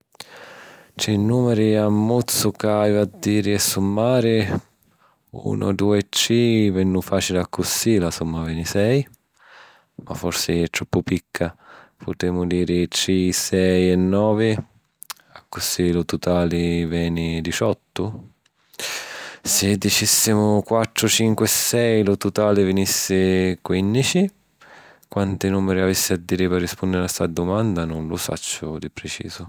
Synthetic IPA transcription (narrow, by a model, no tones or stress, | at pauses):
t͡ʃɛnuːmɛɾiamːut̪sʊkajvad̪ːiːɾɪɛsːumːaːɾɪ | ṵːnʔʊ̰d̪uːɛt͡ʃːivɛnːufaːt͡ʃilɪakːʊsilasumːavɛːnɪsɛj | ma̰fːɔɾsɪɛt̪ːɾɔpːʊpikʰːapʰʊt̪ɛːmʊd̪iːɾɪt͡ʃisɛjɛnːɔːvɪ | akːʊsɪlʊt̪ʊt̪aːlɪvɛːnɪd̪it͡ʃɔt̪ːʊ | sɪd̪ːit͡ʃisːɪmʊkwat̪ːɾʊt͡ʃiŋkwɛsːɛjlʊt̪ʊt̪aːlɪvinisːɪkwinːit͡ʃi | kwant̪ɪnumːɪɾɪavisːɪad̪ːiːɾɪpɪrːispund̪ɪɾast̪ad̪ːʊmand̪anʊnlʊsa̰t͡ʃːʊd̪ipɾɪt͡ʃḭːzʊ